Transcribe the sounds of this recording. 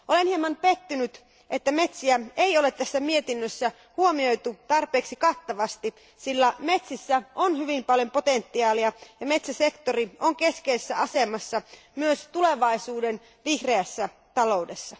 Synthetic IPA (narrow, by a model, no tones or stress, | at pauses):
ʔolenhiemːɑnpet̪ːynyt̪ | ʔet̪ːæme̞t̪siæeiolet̪t̪æsːæmiet̪inːøsːæ | huomio̞jt̪ut̪ɑrpˑeːksikɑt̪ːɑʋɑst̪i | silːæmet̪sisːæonhyʋimpɑljo̞mpot̪ent̪ːiɑːliɑjɑmet̪sæsekt̪orioŋke̞skeisesːæɑsemɑsːɑ | myøst̪uleʋɑisuːden | ʋihreæsːæ | t̪ɑlo̞udesːɑ